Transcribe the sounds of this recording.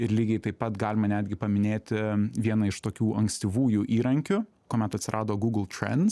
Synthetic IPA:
ɪɾlʲiːɡʲɛɪt̪ɐɪpɐt̪ɡɑːlʲɪmɐnʲæːd̪ʲɡʲɪpɐmʲɪnʲeːt̪ʲɪʋʲiɛnɐɪʃt̪oːkʲuːʔɐŋksʲt̪ʲiːʋuːjuʔiːɾɐŋʲkʲʊ | koːmʲɛt̪ɐt̪ʲsʲɪɾʔɑːd̪oːɡuːɡlˠt̪ʲɾʲɛ̰ns

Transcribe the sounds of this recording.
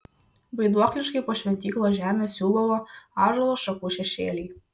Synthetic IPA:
bɐɪd̪uɔklʲɪʃkɐɪpoːʃʲʋʲɛnʲt̪ʲiːklˠoːʒʲæːmʲeːsʲuːlˠɔʋoːɑːʒolˠoːʃɐkuːʃʲɛʃʲeːlʲɛɪ

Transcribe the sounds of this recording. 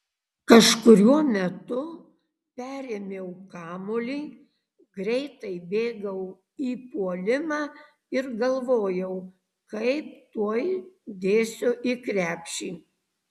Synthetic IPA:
kɐʃkʊɾʲuɔmʲɛt̪ʊ | pʲæːɾʲeːmʲeʊkɑːmoːlʲiː | ɡɾʲɛɪt̪ɐɪbʲeːɡɐʊ | iːpuɔlʲɪmɑː | ɪɾɡɐlˠʋoːjɛʊ | kɐɪp̚t̪uɔjd̪ʲeːsʲoːʔikɾʲæːpʲʃʲiː

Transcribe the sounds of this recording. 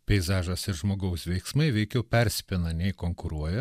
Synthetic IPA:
pʲɛɪzɑːʒɐsɪɾʒmoːɡɐʊsʋʲɛɪksmɐɪʋʲɛɪkʲɛʊpʲɛɾʲsʲpʲɪnɐnʲɛɪkoːŋkʊɾuɔjɛ

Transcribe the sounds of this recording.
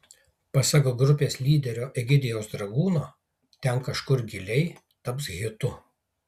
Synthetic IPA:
pɐsɐɡoːɡɾʊpʲeːslʲiːd̪ʲɛɾʲoːʔɛɡʲɪd̪ʲɪjoːsd̪ɾɐɡuːnoː | t̪ʲɛnkɐʃkʊɾɡʲɪlʲɛɪ | t̪ɐpsɣʲɪt̪ʊ

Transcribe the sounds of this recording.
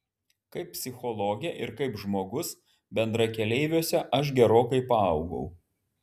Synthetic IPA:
kɐɪp̚ʲpʲsʲɪxɔlˠoːɡʲɛʔɪɾkɐɪpʒmoːɡʊs | bʲɛnd̪ɾɐkʲɛlʲɛɪʋʲuːsʲɛʔɐʃ̬ɡʲɛɾoːkɐɪpɐɐʊɡɐ̰ʊ

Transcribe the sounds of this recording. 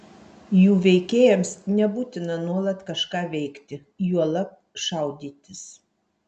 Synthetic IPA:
juːʋʲɛɪkʲeːjɛmsnʲɛbuːt̪ʲɪnɐnuɔlˠɐt̪kɐʃkɑːʋʲɛɪkt̪ʲɪ | juɔlˠɐ | ʃɑˑʊd̪ʲiːt̪ʲɪs

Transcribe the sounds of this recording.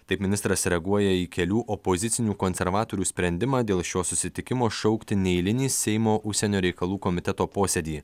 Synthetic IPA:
t̪ɐɪpmʲɪnʲɪst̪ɾɐsɾʲɛɡuɔjɛikʲɛlʲuːʔɔpozʲɪt̪sʲɪnʲuːkoːnʲsʲɛɾʋɑːt̪oːɾʲuːsʲpʲɾʲɛnʲd̪ʲɪmɑːd̪ʲeːlˠʃʲoːsʊsʲɪt̪ʲɪkʲɪmoːʃɔʊkt̪ʲɪnʲɛɪlʲɪnʲiːssʲɛɪmoːʔʊʃʲsʲɛnʲoːɾʲɛɪkɐlˠuːkomʲɪt̪ʲɛt̪oːpoːsʲeːd̪ʲiː

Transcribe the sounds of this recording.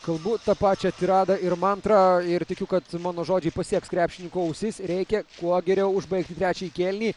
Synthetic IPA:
kɐlˠbʊt̪ɐpɑːt͡ʃʲɛɐt̪ʲɪɾɑːd̪ɐɪɾmɐnt̪ɾɑɪɾt̪ʲɪkʲʊkɐt̪mɑːnoːʒoːd͡ʒʲɛɪpɐsʲiɛkskɾʲæːpʲʃʲɪnʲɪŋkoːɐʊsʲɪsɾʲɛɪkʲɛkuɔɡʲɛɾʲɛʊʊʒbɐɪk̚t̪ʲɪt̪ɾʲæːt͡ʃʲɛikʲeːlʲnʲiː

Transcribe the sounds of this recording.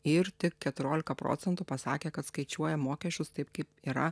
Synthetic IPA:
ɪɾt̪ʲɪkkʲɛt̪ʊɾʲoːlʲɪkɐpɾo̰ːtsʲɛnt̪upɐsɑːkʲeːkɐt̪skɐɪt͡ʃʲuɔjɛmoːkʲɛʃʲt͡ʃʲʊst̪ɐɪp̚kɐɪpiːɾɐ

